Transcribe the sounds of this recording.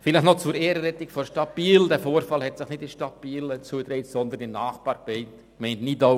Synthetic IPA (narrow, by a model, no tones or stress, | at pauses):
fɪləχnɔt͡suɾeːɾəɾɛt̪ɪkfɔɾʃtɑbiːld̥ɛfoːɾfɑlhɛtsɪχnɪtɪʃtɑb̥iːlət͡suəd̪ɾɛɪtsɔnd̪ənɪnɑːχpɑːɾpɛɪt | kmɛɪntnidɔ